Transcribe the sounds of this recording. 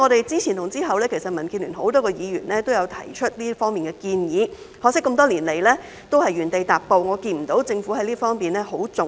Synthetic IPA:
ŋɔː˨˧ɾe˨jt͡siː˥t͡sʰi˨˩nʰʊ˨˩ŋt͡siː˥ɦɐ˨wlɛː˥kʰe˨˩jsɐ˨t̚mɐ˨˩nkʰiː˧nlyː˨˩nɦo˨˥wt̪ɔː˥kɔ˧jiː˨˧jy̰ː˨˩nlɛː˥t̪o˥wjɐ˨˧wt̪ʰɐ̰˨˩jt͡ʃʰɵ˥t̚liː˥fɔː˥ŋmiː˨nɡɛː˧kiː˧njiː˨˧ | hɔː˨˧ksɪ˥kːə˧mt̪ɔː˥liː˨˩nle˨˩jlɛː˥ | t̪o˥whɐ˨jːyː˨˩nt̪e˨˧jt̪aː˨p̚po˧wŋɔː˨˧kiː˧nm̩˨˩t̪o˨˥wt͡sɪ˧ŋfu˨˥hɐ˨˧jliː˥fɔː˥ŋpiː˨nlɛː˥ɦo˨˥wt͡sʊ˨

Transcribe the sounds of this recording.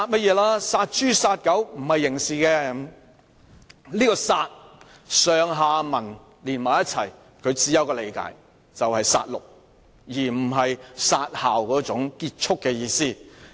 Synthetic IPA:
saː˧t̚mɐ˥t̚jɛː˨˧laː˥saː˧t̚t͡ʃyː˥saː˧t̚kɐ˨˥wm̩˨˩hɐ˨jːɪ˨˩ŋsiː˨˩kɛː˧ | liː˥kɔː˧saː˧t̚ | sœː˨ŋɦaː˨˧mɐ˨˩n | liː˨˩nmaː˨˩jɐ˥t͡sʰɐ̰˨˩j | kʰɵ˨˧ɥt͡siː˨˥jɐ˧˥wkɔː˧le˨˧jka̰ː˨˥j | t͡sɐ˨whɐ˨jsa̰ː˧t̚lʊ̰˨k̚ | jiː˨˩m̩˨˩ɦɐ˨jsaː˧t̚haː˨˩wkɔː˨˥t͡sʊ˨˥ŋkiː˧t̚t͡ʃʰʊ˥kːɛː˧jiː˧siː˥˩

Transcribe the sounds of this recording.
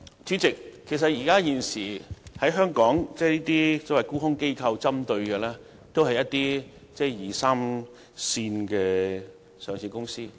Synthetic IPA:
t͡ʃyː˨˥t͡sɪ˨kʰːe˨˩s̬ɐ˨t̚jiː˨˩kaː˥jiː˨nsiː˨˩hɐ˨˥jɦœː˥ŋkɔː˨˥ŋt͡sɛː˥˩niː˥t̪iː˥t͡sɔː˨˥wɐ˨˩jkuː˥hʊ˥ŋke˥jkʰɐ˧wt͡sɐ˥mt̪ɵ˧ɥkɛ˧lɛː˥ | t̪o˥whɐ˨jɐ˥t̪iː˥ | t͡sɛː˥˩jiː˨˩saː˥m | siː˧nkɛː˧ | sœː˨˩ŋsiː˧˩kʊ˥ŋsiː˥

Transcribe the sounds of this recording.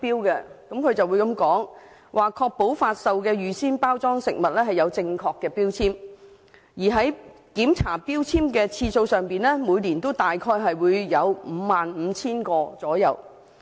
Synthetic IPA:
piː˥wkɛ˧kɐ˨˥mkʰɵ˧t͡sɐ˨wuː˨˧jkɐ˧mkɔː˨˥ŋ | wʔaː˨kʰɔː˧k̚po˨˥wfaː˧t̚sɐ˧wkɛː˧jyː˨siː˥npaː˥wt͡sɔː˥ŋsɪ̰˨k̚mɐ˨t̚lɛː˥hɐ˨jɐ˨˧wt͡sɪ˧ŋkʰɔː˧kːɛː˧piː˥wt͡sʰiː˥m | jiː˨˩ɦɐ˨˥j | kiː˨˥mt͡sʰaː˨˩piː˥wt͡sʰiː˥mkɛː˧t͡sʰiː˧so˧wsœː˨ŋpiː˨˩nlɛː˥muː˨˧jliː˨˩nt̪o˥wt̪aː˨jkʰɔː˧jɦɐ˨jwuː˨˧jjɐ˨˧wm̩ː˨˧˦maː˨nm̩ː˨˧t͡sʰiː˥nkɔː˧t͡sɔː˨˥jɐ̰˨˧w

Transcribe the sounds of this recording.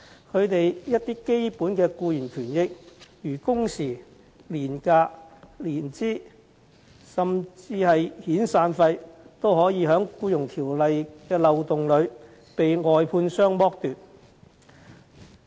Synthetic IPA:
kʰɵ˨˧ɥt̪e˨jjɐ˥t̚t̪iː˥ke˥jpuː˨˥nkɛː˧kuː˧jiː˨˩nt̪ʰyː˨˩njɪ˥k̚jyː˨˩kʊ˥ŋsiː˨˩ | liː˨˩nkaː˧liː˨˩nt͡siː˥ | sɐ˨mt͡siː˧hɐ˨jhiː˨˥nsaː˧nfɐ˧jt̪o˥whɔː˨˥jiː˨˧ɦœː˨˥ŋkuː˧jʊ˨˩ŋt̪ʰiː˨˩wlɐ˨jkɛː˧lɐ˨wt̪ʊ˨ŋlɵ˨˧ɥ | pe˨jŋɔː˨jpʰuː˧nsœː˥ŋmɔː˥k̚t̪yː˨t̚

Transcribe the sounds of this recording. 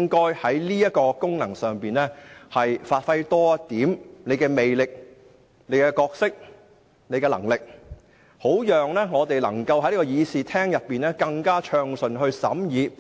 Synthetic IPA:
ŋkɔː˥jhɐ˨˥jliː˥jɐ˥t̚kɔː˧kʊ˥ŋnɐ˨˩ŋsœː˨˩ŋpiː˨nlɛː˥hɐ˨jfaː˧t̚fɐ˥jt̪ɔː˥t̪iː˨˥mne˨˧jkɛː˧me˨jlɪ˨k̚ | ne˨˧jkɛ˧kɔː˧k̚sɪ˥k̚ | ne˨˧jkɛː˧lɐ̰˨˩ŋlɪ˨k̚ | ho˨˥wjœː˨ŋlɛː˥ŋɔː˨˧t̪e˨jlɐ̰˨˩ŋkɐ˧wɦɐ˨˥jliː˥kɔː˧jiː˨˧siː˨t̪ʰɛː˥ŋjɐ˨pːiː˨˩nɛː˥kɐ˧ŋkaː˥t͡ʃʰœː˧ŋsɵ˨˩nɦɵ˧ɥsɐ̰˨˥mjiː˨˧

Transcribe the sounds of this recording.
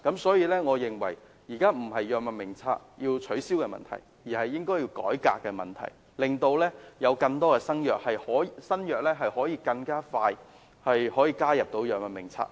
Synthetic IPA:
kɐ˨˥msɔː˨˥jiː˧lɛː˥ŋɔː˨˧jɪ˨˩ŋwɐ˨˩j | jiː˨˩kaː˥m̩˨˩ɦɐ˨jjœː˨k̚mɐ˨nmɪ˨˩ŋt͡sʰaː˧k̚jiː˧wt͡ʃʰɵ˨˥ɥsiː˥wkɛː˧mɐ̰˨nt̪ʰɐ̰˨˩j | jiː˨˩hɐ˨jːɪ˥ŋkɔː˥jiː˧wkɔ̰ː˨˥jka̰ː˧kːɛː˧mɐ̰˨nt̪ʰɐ̰˨˩j | lɪ˨ŋt̪o˧wlɛː˥jɐ˨˧wkɐ˧ŋt̪ɔː˥kɛː˧sɐ˥njœː˨k̚hɐ˨jhɔː˨˥jsɐ˥njœː˨k̚lɛː˥ɦɐ˨jhɔː˨˥jiː˧kɐ˧ŋkaː˥faː˧j | hɐ˨jhɔː˨˥jiː˧kaː˥jɐ˨p̚t̪o˨˧wjœː˨k̚mɐ˨nmɪ̰˨˩ŋt͡sʰa̰ː˧˥k̚

